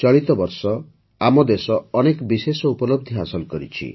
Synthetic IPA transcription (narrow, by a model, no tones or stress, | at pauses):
t͡ʃɔɭit̪ɔbɔɾsɔ | amɔd̪esɔːnekbisesɔupɔlob̚d̪ʱiɦasɔlkɔɾḭt͡ʃʰḭ